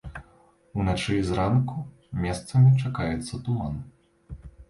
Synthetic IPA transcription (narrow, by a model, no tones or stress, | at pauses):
unat͡ʂɨzɾanku | mʲɛst̪sɐmʲit͡ʂakajɛt̪sːɐt̪uman